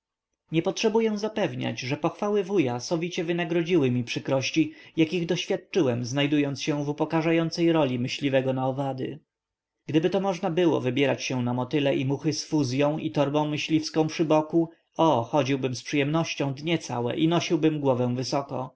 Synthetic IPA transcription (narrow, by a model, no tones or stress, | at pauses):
ɲɛpɔtʂɛbujɛw̃zapɛvɲa̰d͡ʑʐɛpɔxfawɘvujasɔvʲit͡ɕɛvɘnaɡɾɔd͡ʑiwɘmʲipʂɘkɾɔɕt͡ɕijakʲiɣd̪ɔɕfʲjat̪̚t͡ʂɘwɛmznajd̪ujɔnt̪sɕɛvupɔkaʐajɔnt̪sɛjɾɔlʲimɘɕlʲivɛɡɔnaɔvad̪ɘ̰ | ɡ̥d̪ɘbɘt̪ɔmɔʐnabɘwɔ̰vɘbʲjɛɾat͡ɕɕɛ̃namɔt̪ɘlɛʔimuxɘsfuzʲjɔ̃w̃ʔit̪ɔɾbɔ̃w̃mɘɕlʲifskɔ̃w̃pʂɘbɔku | ɔxɔd͡ʑiwbɘmspʂɘjɛmnɔɕt͡ɕɔ̃w̃d̪ɲɛt̪sa̰wɛ̰ʔinɔɕiwbɘmɡwɔvɛ̃w̃vɘsɔkɔ̰